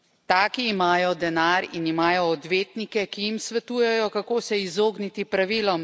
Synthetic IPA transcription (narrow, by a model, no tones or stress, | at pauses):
t̪aːkiːmaːjɔd̪ɛnaːɾinimaːjɔːd̪ʋeːt̪nikɛkijimsʋɛt̪uːjɛjɔkakoːsɛizoːɡnit̪ipɾaʋiːlɔm